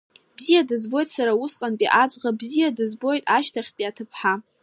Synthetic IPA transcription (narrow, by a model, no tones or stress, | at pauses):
b̥zijadɨzbo̞jtʼsaɾausqʼanpʼiʔad͡zʁabzijadɨzbo̞jtʼaʃtʰaχʲt̚pʼiatʰɨpʰħa